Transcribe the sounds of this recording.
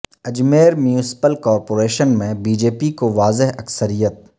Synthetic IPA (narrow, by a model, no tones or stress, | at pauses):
ɐd͡ʒmeːɾmjũsɪ̥pəlkɔːɾpoːɾeːʃənmẽbiːd͡ʒeːpikoʋaːzɪɦɐksəɾijət̪̚